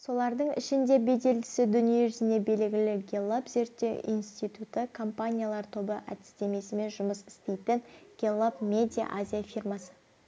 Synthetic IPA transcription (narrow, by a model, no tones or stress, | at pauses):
so̞lˠɑɾd̪əɴɪ̰ʃɪnd̪e̞be̞d̪e̞lɡʲɪsɪd̪ʏnije̞ʒʏzɪne̞be̞lɡʲɪlɪɡʲe̞lˠːapze̞ɾt̪ːe̞wʔḭjnst̪it̪ut̪əkʰo̞mpanʲijalˠɑɾt̪ʰo̞bəʔæ̰t̪ɪ̥st̪e̞me̞sɪme̞nʒʊməsɪ̥st̪e̞jt̪ɪnɡ̥ʲelˠːapmʲe̞d̪ʲija̰ʔazʲijafirmasə̥